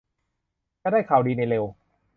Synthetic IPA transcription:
t͡ɕa˧˩daː˥˩jkʰaː˨˩˦wdiː˧na˧jle˧w

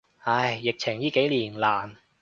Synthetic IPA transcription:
hɐ˧˩jːɪ˨k̚t͡ɕʰɪ˨˩ŋjiː˥ke˨˥jliː˨˩nlaː˨˩n

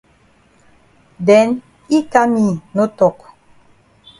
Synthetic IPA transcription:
dɛ˨˦n | i˦ka˦mi˦˨no˦tɔ˨k

